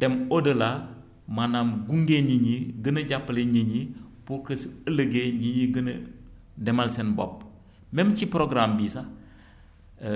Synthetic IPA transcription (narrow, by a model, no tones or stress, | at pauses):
d̥ɛmodəla | manamɡuŋɡeɲiɲiɡənɐɟapːɐleɲiɲipukəsələɡeɲiɲiɡənə̰ | dɛmalsenbo̰p̚ | memt͡ʃipɾoɡɾambisa